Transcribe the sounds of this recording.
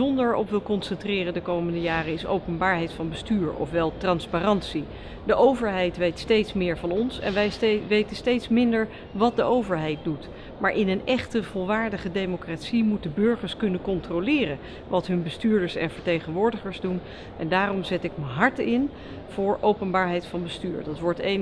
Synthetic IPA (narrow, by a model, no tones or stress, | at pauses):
ɔndəɹɔ̰pʋɪlˠkɔnsɛntrɪːrəndəkowməndəjaːrəɪso̰wpənbaːɹɦɛjtfɑnbəstyːɹɔ̰fʋɛlˠtrɑnsparɑntsi | dəʔowvəɹɦɛjtʋejtstejtsmɪːɹvɑnɔnsɛ̰nʋɛʋejtənstejtsmɪndəɹ | ʋɑt̚dəʔowvəɹɦɛjt̚dut | maːɹʔɪnənɛχtəv̥ɔlˠʋaːɹdəχədejmokraːtsimut̚dəbɵɹχəɹskɵnənkɔntrolɪːrən | ʋɑtɦɵnbəstyːɹdəɹsɛ̰nvəɹtejχənʋʊːɹdəχəɹzdun | ʔɛndaːrɔmzɛtɪkməɦɑɹtɪn | v̥ʊːɹʔowpənbaːɹɦɛjtfɑnbəstyːɹdɑtʋɔɹten